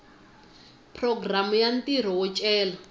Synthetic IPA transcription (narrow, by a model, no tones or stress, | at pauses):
pʰrɔɡramujantʼiɾ̤ɔwɔt͡ʃʼɛːla